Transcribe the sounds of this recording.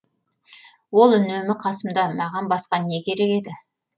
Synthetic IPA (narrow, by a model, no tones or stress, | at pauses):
wo̞lˠʏnemɪqʰɑsəmd̪ɑmɑʁɑnbɑsqɑne̞kʲʰe̞ɾe̞ke̞d̪ɪ